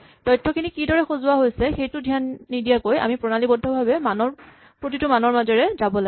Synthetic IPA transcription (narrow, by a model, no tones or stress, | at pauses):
d̥ɔjtʰːɔkʰinikidɔɹɛxozʊwaɦojsɛxejtʊdʱijanːidijakoja̰mipɹɔnalibɔdʱːɔbʱabɛmanɔɹ | pɹot̬itʊmanɔɹmazɔɹɛzabɔlaɡ